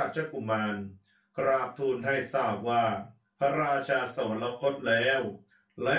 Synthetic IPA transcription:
t͡ɕʰa˧ku˨˩maː˧n | kɾaː˧˩p̚t̪ʰuː˧nɦa˥˩jsaː˥˩p̚waː˥˩ | pʰa˧ɾaː˧t͡ɕʰaː˧sa˧˩a˧˦nla˧pʰo˦˥t̪̚lɛː˦˥w | lɛ˦˥

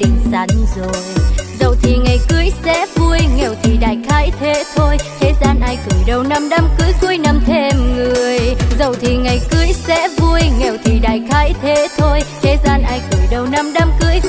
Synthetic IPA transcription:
ɗḭ˧˨ŋ̟sa˨˦ŋzo˨˩jzə˨˩wt̪ʰi˨˩ŋa˨˩jkɨ˨˦əjsɛ̰˧˥vu˧əjŋɛ˨˩wt̪ʰi˨˩ɗa̰ː˧˨jxaː˨˦jt̪ʰe˨˦t̪ʰo˧jt̪ʰe˨˦zaː˧nʔaː˧jkɨ˨˧˩əjɗə˨˩wna˧mɗa˧mkɨ˨˧˦əjkɨ˧˦əjna˧mt̪ʰe˧mŋɨ˨˩əəjzə˨˩wt̪ʰi˨˩ŋa˨˩jkɨ˨˦əjsɛ̰˧˥vu˧əjŋɛ˨˩wt̪ʰi˨˩ɗa̰ː˧˨jxaː˨˦jt̪ʰe˨˦t̪ʰo˧jt̪ʰe˨˦zaː˧nʔaː˧jkɨ˨˧˩əjɗə˨˩wna˧mɗa˧mkɨ˨˧˦əj

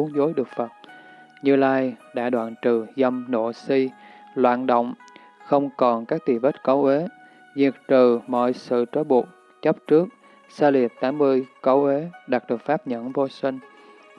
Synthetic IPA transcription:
u˨˦əŋzo˨˦jɗɨ˨˩ək̚fə˨˩t̚ | ɲɨ˧laː˧jɗa̰ː˧˥ɗwa̰ː˧˨nt͡ɕɨ˨˩zə˧mno̰˧˨si˧lwa̰ː˧˨nɗo̰˧˨wŋ͡m | xə˧wŋ͡mkɔ˨˩nkaː˦˥k̚t̪i˨˩və˦˥t̚kə˨˦wʔe˨˦ | zi˨˩ək̚t̪ɨ˨˩mɔ̰˧˨jsɨ̰˧˨t͡ɕɔː˨˦jɓu˨˩ək̚ | t͡ɕə˦˥p̚t͡ɕɨ˦˥ək̚ | saː˧li˨˩ət̚t̪aː˨˦mːɨ˧əjkə˨˦wʔe˨˦ɗa˨˩k̚ɗɨ˨˩ək̚faː˦˥p̚ɲə̰˧˥˨nvo˧sï˧ŋ̟

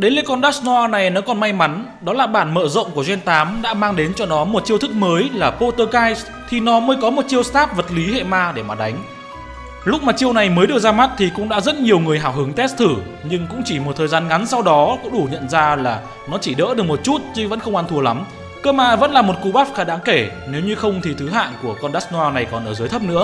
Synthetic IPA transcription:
ɗe˨˦le˧kɔ˧nɗaː˦˥sn˧aː˧na˨˩jnɔ˨˦kɔ˨˩nma˧jma˨˦n | ɗɔ˨˦laː˨˩ɓaː˧˩nmə̰ː˧˨zə̰˧˨wŋ͡mku˧˩əzwɛ˧nt̪aː˨˦mɗa̰ː˧˥maː˧ŋɗe˨˦nt͡ɕɔ˧ɗɔ˨˦mo˨˩t̚t͡ɕi˧əwt̪ʰɨ˦˥k̚məː˨˦jlaː˨˩po˧t̪əː˧kaː˧js | t̪ʰi˨˩nɔ˨˦məː˨˦jkɔ˨˦mo˨˩t̚t͡ɕi˧əwst̪aː˦˥p̚və˨˩t̚li˨˦hḛ˧˨maː˧ɗe˧˩maː˨˩ɗa˨˦jŋ̟ | lʊ˦˥k͡p̚maː˨˩t͡ɕi˧əwna˨˩jməː˨˦jɗɨ˨˩ək̚zaː˧ma˦˥t̚t̪ʰi˨˩kʊ̰˧˥ŋ͡mɗa̰ː˧˥zə˦˥t̚ɲi˨˩əwŋɨ˨˩əjɦaː˧˩wɦɨ˨˦əŋt̪ɛ˦˥st̪ʰɨ˧˩ | ɲɨ˧ŋkʊ̰˧˥ŋ͡mt͡ɕi˧˩mo˨˩t̪̚ʰəː˨˩jzaː˧nŋa˨˦nsa˧wɗɔ˨˦kʊ̰˧˥ŋ͡mɗu˧˩ɲə̰˧˨nzaː˧laː˨˩ | nɔ˨˦t͡ɕi˧˩ɗə̰ː˧˥ɗɨ˨˩ək̚mo˨˩t̚t͡ɕu˦˥t̚t͡ɕɨ˧və̰˧˥nxə˧wŋ͡mʔa˧nt̪ʰu˧əla˨˦m | kəː˧maː˧və̰˧˥nlaː˨˩mo˨˩t̚ku˧ɓaː˦˥p̚xaː˨˦ɗaː˨˦ŋke˧˩ | ne˨˦wɲɨ˧xə˧wŋ͡mt̪ʰi˨˩t̪ʰɨ˨˦ɦa̰ː˧˨nku˧˩əkɔ˧nɗaː˦˥sn˧aː˧na˨˩jkɔ˨˩nʔəː˧˩zəː˨˦jt̪ʰp̚nɨ̰˧˥ə

